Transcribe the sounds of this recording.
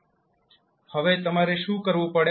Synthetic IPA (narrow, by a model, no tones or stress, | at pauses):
həʋeːt̪əmaːɾeːʃũːkəɾʋũːpəɽe